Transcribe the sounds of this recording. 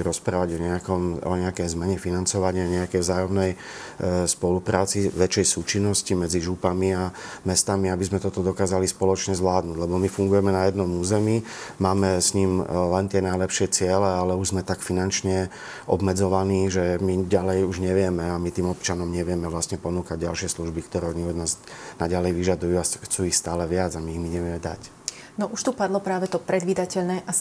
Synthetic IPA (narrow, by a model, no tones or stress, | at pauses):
ɾɔspɾaːʋaɟɔɲɛakɔmɔ̰ɲɛakɛjzmɛɲɛfinant͡sɔʋaɲaɲɛakɛjvzaːjɔmnɛj | spɔlupɾaːt͡siʋɛt͡ʃɛjsuːt͡ʃinːɔscimɛd͡ziʒupamiamɛst̪amiabizmɛt̪ɔt̪ɔd̪ɔkaːzalispɔlɔt͡ʃɲɛzʋlaːd̪nuɟlɛbɔmifuŋɡujɛmɛnajɛd̪nɔmuːzɛmimaːmɛsɲiːmlɛnt̪ɪɛnajlɛpʃɪɛt͡sɪɛlɛalɛuʒzmɛt̪akfinant͡ʃɲɛ | ʔɔ̰bmɛd͡zɔʋaniːʒɛmiɟalɛjuʒɲɛʋɪɛmɛamit̪iːmɔpt͡ʃanɔmɲɛʋɪɛmɛʋlasɲɛpɔnuːkaɟ̚ɟa̰lʃɪɛsluʒbikt̪ɔɾɛɲiɔd̪naːznaɟalɛjʋiʒad̪ujuːaxt͡suːixst̪aːlɛʋɪad͡zamiːɣmiɲɛʋɪɛmɛd̪a̰c | nɔʔuʃt̪upad̪lɔpɾaːʋɛt̪ɔpɾɛd̪ʋiːd̪acɛʎnɛːʔa